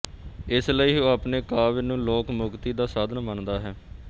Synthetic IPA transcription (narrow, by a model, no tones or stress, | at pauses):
ɪsləiːoːapneːkaːʋɪnũːloːkmʊkt̪iːd̪aːsaːd̪ʱənmənd̪aːɦɛː